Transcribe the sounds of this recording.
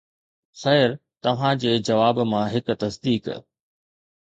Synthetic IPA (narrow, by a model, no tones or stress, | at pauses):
sɐɦəɾt̪ɐʋ̤ãd͡ʑeːd͡ʑɐʋaːbmãɦɪkt̪ɐsd̪iːk